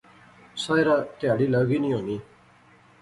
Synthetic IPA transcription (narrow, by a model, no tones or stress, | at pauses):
saːjɾãːt̪ɪjaːɽiːləɡiːnĩːɦoːniː